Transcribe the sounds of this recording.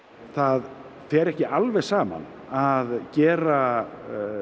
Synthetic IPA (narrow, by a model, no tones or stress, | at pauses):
θað | fɛɾɛhcɪʔalvɛ̥saːma̰n | aðcɛːɾa